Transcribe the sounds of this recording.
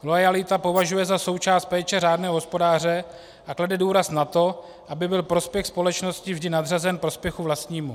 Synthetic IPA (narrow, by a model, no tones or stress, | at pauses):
lo̞jalɪt̪apo̞vaʒujɛzaso̞wt͡ʃaːst̪̚pɛːt͡ʃɛraːdnɛːɦoɦo̞spo̞daːrɛ | ʔakladɛduːɾasnat̪o̞ | ʔabɪbɪlpɾospjɛxspo̞lɛt͡ʃno̞scɪvʒdɪnad̪r̝azɛnpɾo̞spjɛxuvlast̪ɲiːmu